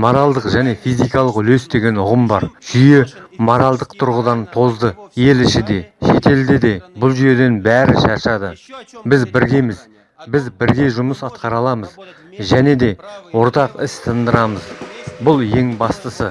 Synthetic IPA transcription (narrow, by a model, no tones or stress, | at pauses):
mo̞ɾɑlˠd̪əqʒæne̞fijzijkɑlˠəqʏle̞sd̪e̞ɡʲe̞nʊʁəmbɑ̰ɾʒ̥ʏje̞mo̞ɾɑlˠd̪əqt̪ʰʊɾʁəd̪ɑnt̪ʰo̞zd̪əje̞lɪʃɪd̪e̞ʃe̞t̪e̞ld̪e̞d̪e̞bʊlˠʒyje̞d̪e̞nbæɾɪʃɑɾʃɑd̪əbɪzbɪɾɡʲe̞mɪz | bɪzbɪɾɡʲe̞ʒʊməsɑt̪qɑɾɑlˠɑməz | ʒæne̞d̪e̞wo̞ɾt̪ɑqɪst̪ʰənd̪əɾɑməzbʊlˠje̞ŋbɑst̪əsə